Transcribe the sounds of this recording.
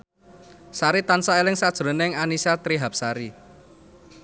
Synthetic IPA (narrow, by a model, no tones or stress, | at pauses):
saɾit̪ansaelɪŋsad̥ʒ̥əɾo̤nɪŋanisat̪ɾiɦap̚saɾi